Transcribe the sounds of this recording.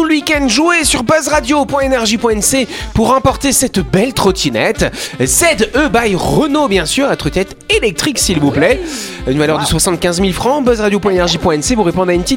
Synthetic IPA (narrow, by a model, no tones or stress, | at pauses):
t̪uləwikʲɛ̃nd̪ʒuesyʁbœzʁad̪jopwɛ̃enɛʁʒipwɛ̃ɛnsepuʁɑ̃pɔʁt̪esɛt̪bɛlt̪χɔt̪ʲʰinɛt̪zɛd̪øbajʁənobjɛ̃syʁat̪χɔt̪inɛt̪elɛk̚t̪χiksilvuplɛynvalœʁd̪əswasɑ̃t̪̚kʲɛ̃zmilfχɑ̃bœzʁad̪jopwɛ̃enɛʁʒipwɛ̃ɛnsevuʁepɔ̃d̪aynpt̪it̪